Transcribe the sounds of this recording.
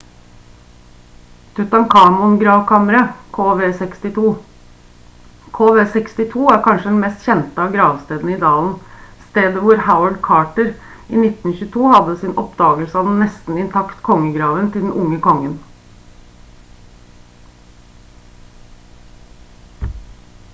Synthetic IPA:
t̪ʰʉt̪ɑŋkʰɑːmʊnɡɾɑːʋkʰɑməɾəoːʋeːsɛkst̪ɪt̪ʰuː | kʰoːʋeːsɛkst̪ɪt̪ʰuːæɾkʰɑnʂəd̪ɛnmɛst̪çɛnt̪əɑːɡɾɑːʋst̪eːd̪n̩id̪ɑːln̩st̪eːd̪əʋʊɾhaʊəɖkʰɑːʈəɾ | iːnɪt̪n̩çʉːt̪ʰuːhɑd̪ːəsɪnʔɔpd̪ɑːɡəlsəɑʋd̪ɛn̩nɛst̪n̩ɪnt̪ʰɑkt̪kʰɔŋːəɡɾɑːʋənt̪ɪld̪ɛn̩ʔʊŋːəkʰɔŋːən

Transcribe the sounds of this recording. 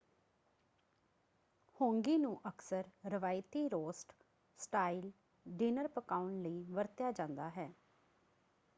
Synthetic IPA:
hõːŋɡiːnũːʔəksəɾɾɪʋaːjt̪iːɾoːsʈ | sʈaːil | ɖiːnəɾpəkaːʊɳləiːʋəɾt̪jaːd͡ʒãːnd̪aːɦɛː

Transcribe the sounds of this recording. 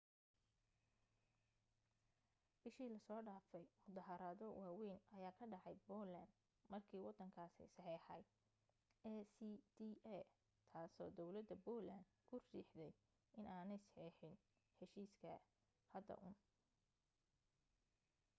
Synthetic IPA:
b̥ɪʃiːlɐsɔːɖaːfɛjwɔd̪ɐɦɐɾaðɔwaːwɛjnɐjaːkʰɐɖɑʕɑjbɔland̪ | mɐrkʰiːwɑd̪ɐŋkʰaːsɛ̰jsɑħɛːħɐ̰j | ɛsid̪iɛ | t̪ʰaːsɔ̰ːd̪ɔwlɐd̪ɐbɔːland̪kʰʊriːħd̪ɛj | ɪnaːnɛjsħiːħɪn | ħɛʃiːskʰɐ | hɐd̪ɐ̰ʔʊn

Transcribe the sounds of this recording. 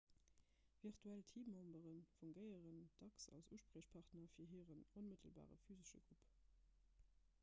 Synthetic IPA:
viʁtʰuæltʰiːmɔmbəʁənfuŋɡəɪəʁənd̥ɑksɑ̰lsuʃpʁəːɕpʰɑʁtnɐfiːɐɦiːʁənonmətʰəlba̰ːʁə̰fyːzəʃə̰ɡ̥ʁup

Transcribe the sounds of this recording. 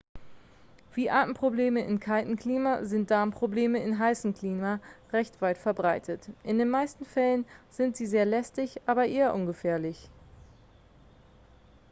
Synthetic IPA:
v̥iːʔaːtn̩pʁ̥obleːməʔɪnkʰaltn̩kl̥iːmazɪnt̚d̥aɐmpʁ̥obleːməɪnɦaɪsn̩kl̥iːmaʁɛçtv̥aɪtfɛɐbʁaɪtʰətʔɪndeːnmaɪstn̩fɛlənz̥ɪntz̥iːzeːɐlɛstɪçʔaːbɐʔeːɐʔʊnɡəfɛːɐlɪç

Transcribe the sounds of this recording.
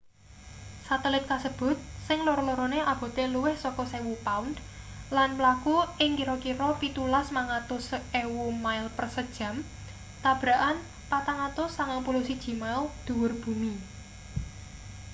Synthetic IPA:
sat̪ɛlɪt̪̚kasəb̥ʊ̤t̪̚sɪŋloɾɔloɾɔneʔab̥o̤t̪eluwɪhsɔkɔsewupaund̪ | lanmlakuʔɪŋkiɾɔkiɾɔpit̪ulasmaŋat̪ʊsewumaɪlpərsəd̥ʒ̥a̤m | t̪ab̥ɾa̤ʔan | pat̪aŋat̪ʊsaŋaŋpulusid̥ʒ̥i̤maɪld̪̥ṳwʊrb̥ṳni

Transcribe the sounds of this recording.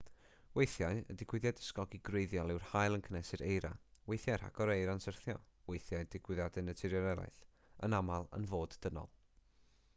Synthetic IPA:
wejθjaɨə̰dɪkʰwɪðjadə̥skɔɡiɡrejðjɔlˠɪwr̥hajlˠənkʰənɛsɨɾejɾa̰wejθjaɾha̰kʰɔɾejɾansərθjɔ̰ | wejθjaɨdɪkʰwɪðjadɛnətʰɪɾjɔɾɛlˠa̰ɬ | ənamalˠə̰nvoːddənɔ̰lˠ

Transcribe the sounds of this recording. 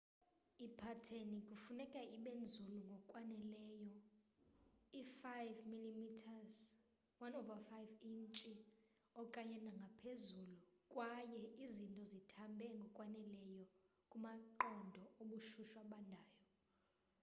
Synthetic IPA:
ipʰatʰenikʼufunɛkʼaiɓend͡zʱuluŋɡʱɔkʼwanɛlɛjɔ | ifajvmilimitʰaz | wanɔvafajvint͡ʃʼi | ɔkʼaɲɛnaŋɡʱapʰezulukʼwajɛizintʼɔzitʰambʱɛŋɡʱɔkʼwanɛlɛjɔ | kʼumaǃɔndʱɔoɓuʃuʃwaɓandʱaːjɔ

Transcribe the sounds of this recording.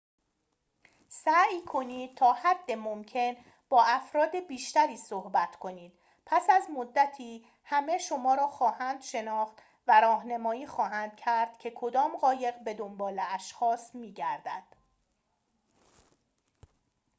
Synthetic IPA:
sæːjkʰo̞niːd̪̥̚t̪ʰɒːhæd̪ːe̞momcʰe̞n | b̥ɒːæfɾɒːd̪ebiːʃt̪æɾiːsohbæt̪ʰkʰo̞niːd̪̥̚ | pʰæsæzmod̪ːæt̪ʰiː | hæme̞ʃo̞mɒːɾɒːxɒːhænd̪ʃe̞nɒːxt̪ | væɾɒːhnemɒːiːxɒːɦænd̪̥̚cʰæɾd̪̥cʲʰe̞kʰo̞d̪ɒːmɢɒːje̞ɣbe̞d̪ombɒːleæʃxɒːsmiːɟæɾd̪æ̰d̪̥

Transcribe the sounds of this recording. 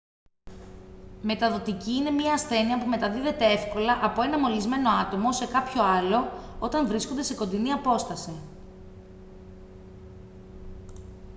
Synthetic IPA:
me̞t̪ɐðo̞t̪iciine̞mɲɐːsθe̞niɐpume̞t̪ɐðiðe̞t̪e̞e̞fko̞lɐʔɐpo̞e̞nɐmo̞lizme̞no̞ɐt̪o̞mo̞se̞kɐpço̞ɐlo̞o̞t̪ɐɱvɾiskond̪e̞se̞ko̞nd̪iniɐpo̞st̪ɐsi

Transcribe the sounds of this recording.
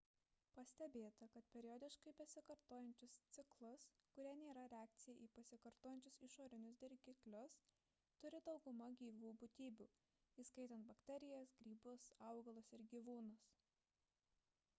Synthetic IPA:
pɐsʲt̪ʲɛbʲeːt̪ɐkɐt̪pʲɛɾʲɪjɔːd̪ʲɪʃkɐɪbʲɛsʲɪkɐɾt̪oːjɛnʲt͡ʃʲʊst̪sʲɪklˠʊskʊɾʲɛnʲeːɾɐɾʲɛæːk̚t̪sʲɪjɛʔiːpɐsʲɪkɐɾt̪oːjɛnʲt͡ʃʲʊsɪʃoːɾʲɪnʲʊs̬d̪ʲɛɾʲɡʲɪklʲʊs | t̪ʊɾʲɪd̪ɒʊɡʊmɐɡʲiːʋuːbʊt̪ʲiːbʲuː | iːskɐɪt̪ʲɛnt̪̚bɐkt̪ʲɛɾʲɪjɛsɡɾʲiːbʊsɐʊɡɐlˠʊsɪɾɡʲiːʋuːnʊs

